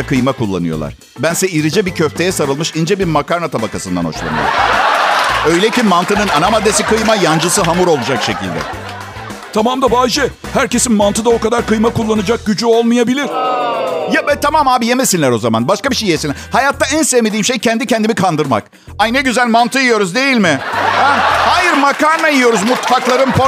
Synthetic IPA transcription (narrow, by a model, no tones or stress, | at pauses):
kʰɯjmakulˠːa̰nɯjo̞̰lˠa̰ɾ̥ | bænsɛiɾid͡ʒɛbicʰøft̪ʰe̞jɛsaɾɯlˠmɯʃind͡ʒɛbiɾmakaɾnat̪ʰabakasɯnd̪anho̞̰ʃlˠa̰nɯ̰jo̰ɾ | ø̞jlʲecimant̪ʰɯnɯnanamad̪ːesikɯjmajand͡ʒɯsɯɦamuɾo̞lˠud͡ʒakʃe̞cḭlʲd̪ɛ̰ | t̪ʰamamd̪abaːd͡ʒɛ | hæɾce̞sinmant̪ʰɯd̪ao̞kad̪aɾkɯjmakulˠːanɯd͡ʒak̚ɟyd͡ʒyo̞lˠmɯjabilʲiɾ̥ | jabɛt̪ʰamamhaːbijemesinlʲæɾo̞zama̰nbaʃkabiʃejːesin | hajat̪ʰːaænsevmed̪iːmʃe̞jcʰɛnd̪icʰɛnd̪imikʰand̪ɯɾma̰k | aneɟyzælʲmant̪ʰɯjijo̞ɾuzd̪e̞jilʲmɪhɛhaːjiɾmakaɾnajijo̞ɾuzmut̪faklˠaɾɯnpʰo